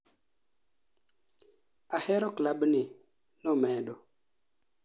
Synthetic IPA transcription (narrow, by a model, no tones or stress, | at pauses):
aheɾoklabni | nɔmɛɗo